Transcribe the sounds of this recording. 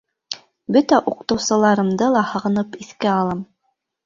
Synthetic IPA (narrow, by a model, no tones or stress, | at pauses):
bɵt̪æʔuqt̪ɤ̆wsɤ̆lˠɑɾɤ̆md̪ɤlˠɑhɤ̆ʁɤ̆nɤpiθkæɑlˠɑm